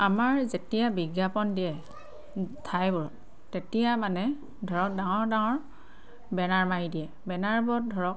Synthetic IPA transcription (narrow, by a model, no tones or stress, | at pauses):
amaɹzetijabiɡjapɔndiɛ | tʰajbɔɹɔt̚ | tetijamanɛ | dʱɔɹɔk̚daŋɔɹdaŋɔɹ | bɛnaɹmajidiɛ | bɛnaɹbɔɔt̚dʱɔɹɔk̚